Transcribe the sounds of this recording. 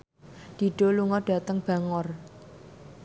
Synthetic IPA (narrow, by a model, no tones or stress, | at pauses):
d̪̥i̤ɖ̥o̤luŋɔɖ̥a̤t̪əŋb̥a̤ŋɔr